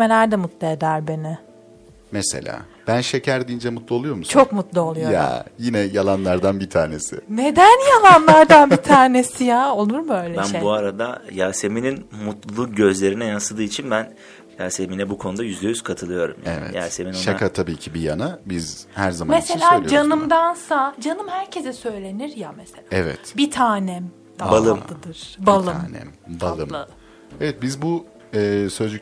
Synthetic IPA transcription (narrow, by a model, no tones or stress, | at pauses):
melʲæɾd̪ɛmut̪lˠɯed̪æɾbe̞nɪ | mese̞̰lʲa̰ː | b̥ænʃecʰæɾd̪iːnd͡ʒɛmut̪lˠuo̞lˠujo̞ɾmust͡ʃʰo̞kmut̪lˠuo̞lˠujoja̰jinɛjalˠanlˠaɾd̪anbit̪ʰaːne̞sɪ̰ne̞d̪ænjalˠanlˠaɾd̪anbit̪ʰaːne̞sijaːo̞lˠuɾmø̞jlʲeænebuaɾad̪ajaːse̞mininmut̪lˠuɟø̞zlʲe̞ɾinɛjansɯd̪ɯːit͡ʃʰinbæn | jaːse̞minɛbukʰo̞nud̪ajyzd̪ejyz̥kʰat̪ʰɯlˠɯjo̞ɾṵmja̰vɛ̰ija̰ːse̞minoʃakʰat̪ʰabiːcʰibijanabizhæɾzamameselʲaːd͡ʒanɯmd̪ansad͡ʒanɯmhæɾcʰezɛsø̞jlʲe̞niɾjameselaɛvɛ̰t̪bit̪ʰaːnɛm | balˠɯmd̪ɯd̪ɯɾ̥balˠɯmnɛ̰balˠɯmˠɯ | ɛvɛt̪̚bizbu | ɛːsøzd͡ʒ̪y